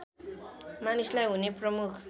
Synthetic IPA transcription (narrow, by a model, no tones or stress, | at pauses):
manislajunipɾomukʰ